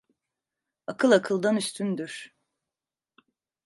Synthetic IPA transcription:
akʰɯlˠakʰɯlˠd̪anyst̪ʰynd̪yɾ̥

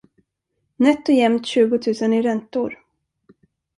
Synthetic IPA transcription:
nɛt̪ːɔjɛmt̪ɕʉ̟ːɡʊt̪ʰʉ̟ːsənɪɾɛnt̪ʊɾ

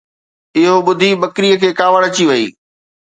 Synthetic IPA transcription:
ɪɦoɓʊd̪ʱiɓɐkɾijəkʰeːkaːʋəɽɐt͡ɕiʋɐḭː

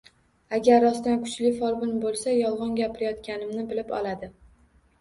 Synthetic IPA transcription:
aɡʲaɾːɒst̪ankʰʊ̥t͡ʃlɪfɒɾbɪnbolˠsajɒlˠʁɑnɡʲapʰɪɾɪjɒt̪kʲanɪmnɪbɪlɪpɒ̰lad̪ɪ

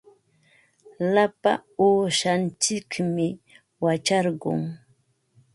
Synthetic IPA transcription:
lapa̰oːʃant͡ʃɪkmɪ | wat͡ʃɑɾɢʊ̰ŋ

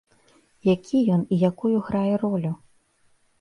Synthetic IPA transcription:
jakʲʰijɔnijakujuɣɾajɛrɔlʲu

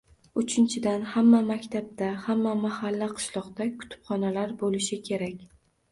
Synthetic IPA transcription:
ʊt͡ʃʰɪnt͡ʃʰɪd̪anhamːamakʲt̪ʰab̚d̪ahamːamahalːaqʰɨ̥ʃlˠɒqd̪akʰʊ̥t̪ʰɪ̥pχɒnalaɾbolɪʃɪkʲʰe̞ɾakʲ

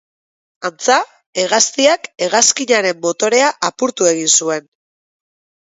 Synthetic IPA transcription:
ant͡sa | e̞ɣ̞ast̪iake̞ɣaskiɲaɾe̞mːo̞t̪o̞ɾe̞aʔapuɾt̪ue̞ɣ̞insue̞n

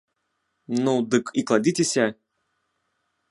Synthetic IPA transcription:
nud̪ɨkiklˠadʲitʲɪsʲa

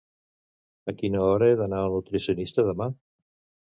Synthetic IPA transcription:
akʰinɔɔɾɛðananɔtɾɪsjɔnɪstaðəma

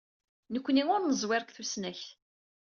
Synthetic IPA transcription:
nəkʷːniʊɾnəzˤwɪɾkθusnæç

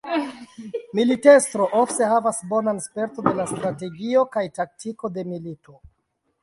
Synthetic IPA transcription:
milite̞stɾo̞ʔo̞fte̞ɦavasbo̞nanspe̞ɾtonde̞lastɾate̞ɡio̞kajtak̚tiko̞de̞militʰo̞

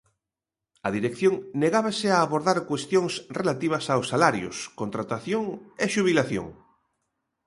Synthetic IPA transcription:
ɐðiɾekθjõŋneɣaβasɪaːβoɾðaɾkwest̪joŋsrelat̪iβ̞ɐsawsːalaɾjʊ̰skõnt̪ɾat̪aθjoŋeʃuβ̞ilaθjo̰ŋ

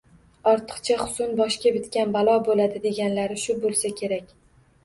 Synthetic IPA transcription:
ɒɾt̪ʰɨ̥qt͡ʃʰaχʊ̥sʊnbɒʃkʲabɪt̪kʲanbalˠɒbolad̪ɪd̪e̞ɡʲanlaɾɪʃʊbolˠsakʲʰe̞ɾakʲ

